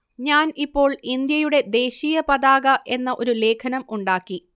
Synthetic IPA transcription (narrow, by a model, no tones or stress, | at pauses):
ɲaːnipːo̞ːɭind̪jɐjuɽe̞d̪e̞ːɕijɐpɐðaːɣɐʔe̞nːɐʔo̞ɾule̞ːkʰɐnɐmuɳɖaːkːi